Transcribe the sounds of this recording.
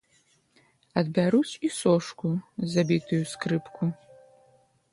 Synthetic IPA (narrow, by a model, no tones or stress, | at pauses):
ɐd̪̚bʲaɾut͡sisoʂkʷʰuzabʲit̪ʰɨjuskrɨpkʰu